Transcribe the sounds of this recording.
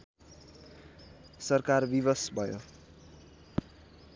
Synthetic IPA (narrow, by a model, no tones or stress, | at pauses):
sʌrkarbibʌsbʱʌjo